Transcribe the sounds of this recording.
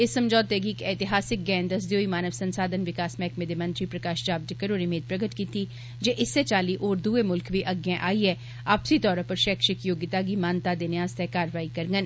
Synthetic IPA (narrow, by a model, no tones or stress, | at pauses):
ɪsːəmd͡ʒɔːt̪ːeɡiːkɛt̪ɪɦaːsɪk̚ɡɛ̃ːnd̪əs̬d̪ejoːiːmaːnəʋsənsaːd̪ənʋɪkaːsmɛːkmẽːd̪emə̃nt̪ɾiːpɾəkaːʃd͡ʒaːbd͡ʒɪkːəɾoːɾimeːd̪̚pɾəɡət̪kiːt̪iː | d͡ʒeːʔɪsːet͡ʃaːliːʔoːɾd̪uːemʊlkʋiːʔəɡjãʔaːiːɛː | aːpsiːt̪ɔːɾãpəɾʃɛːkʃɪkjoːɡɪt̪aːɡiːmaːnt̪aːd̪eːnɪaːst̪ɛkaːɾʋaːikəɾŋɡən